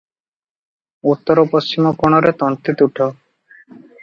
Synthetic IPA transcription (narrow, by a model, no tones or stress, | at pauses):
ut̪ːɔɾɔpost͡ʃimɔkoɽ̃ɔɾet̪ɔnt̪it̪uʈʰɔ